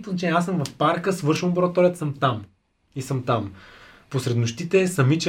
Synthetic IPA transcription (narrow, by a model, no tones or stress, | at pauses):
t̪oznɐt͡ʃɛnʲɛasəmvɐfpaɾkəsvɤɾʃɛnˠboɾɐt̪ɔɾiət̪səmt̪am | isɤmt̪am | posɾɛd̪noʃt̪it̪ɛsɐmit͡ʃɛ